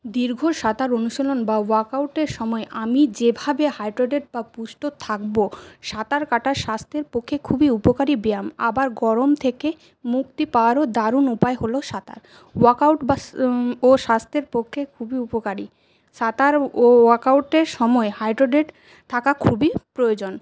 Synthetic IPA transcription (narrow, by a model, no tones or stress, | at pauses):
d̪iɾɡʱoʃat̪aɾonuʃolonbawaɾkawʈeɾʃɔmɔeʔamid͡ʑebʱabehajɖɾoɖeʈ̚bapuʃʈot̪ʰak̚boʃat̪aɾkaʈaɾʃast̪ʰeɾpokʰːekʰubiupokaɾibeama̰baɾɡɔɾomt̪ʰeke | muk̚t̪ipaoaɾod̪aɾunupaeɦoloʃat̪a̰ɾ | wakawʈbaoʃast̪ʰeɾpokʰːekʰubiupokaɾi | ʃat̪aɾowaɾkawʈeɾʃɔmɔehajɖɾoɖeʈ | t̪ʰakakʰubipɾojod͡ʑon